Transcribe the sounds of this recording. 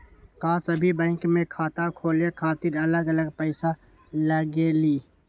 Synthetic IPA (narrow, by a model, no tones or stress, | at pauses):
kaːsəbʱibɛ̃ːŋkmẽkʰaːt̪akʰoːlekʰaːt̪ɪɾɐləɡɐləɡpəɪsa | ləɡeliː